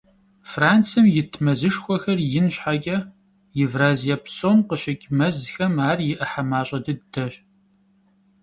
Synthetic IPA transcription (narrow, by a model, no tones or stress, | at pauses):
fraːnt͡sɨmjɪtʰmɐzɨʂxʷɔxɐrjɪnɕħaɡʲʼɐ | jɪvraːzijapsoːmqəɕɐkʲʼmɐzxɐmaːrjɪʔɐħamaːɕʼɐdɨddʰɐɕ